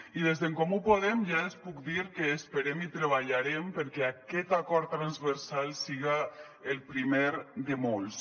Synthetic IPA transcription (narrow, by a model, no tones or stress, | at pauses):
iðezðeŋkomupoðemʒaespukd̪iɾkeːspeɾemit̪ɾeβ̞aʎaɾempəɾkɛakɛt̪akɔɾt̪ːɾanzβəɾsalˠsiɣa | elˠpɾimeɾd̪emolˠs